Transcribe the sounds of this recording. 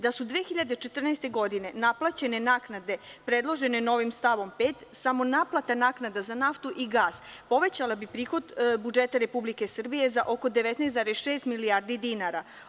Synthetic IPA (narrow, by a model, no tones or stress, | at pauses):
d̪asud̪ʋexiʎad̪et͡ʃet̪r̩nɛst̪e̞ɡo̞d̪ine̞naplˠat͡ɕe̞nenaːknad̪e̞pɾe̞d̪lˠo̞ʒe̞neno̞ʋimst̪aʋo̞mpeːt̪samo̞naːplˠat̪anaːknad̪azanaft̪uʔiɡaːspo̞ʋe̞t͡ɕalabipɾiːxo̞d̪bud͡ʒe̞t̪aɾe̞publike̞sr̩bije̞zaʔoko̞d̪e̞ʋe̞t̪nɛjst̪aːɾesʃe̞ːst̪miliaːɾd̪id̪inaɾa